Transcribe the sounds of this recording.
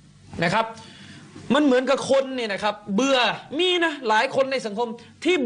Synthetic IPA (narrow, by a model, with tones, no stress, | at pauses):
na˦˥˩kʰa˦˥p̚ | ma˧˥nmɯ˨˩˦nka˧˩kʰo˧nːiː˨˩na˦˥kʰa˦˥p̚bɯ˧ɐmiː˧na˦˥laː˩˦jkʰo˧nːa˧˩jsa˩˦ŋkʰo˧mt̪ʰiː˥˩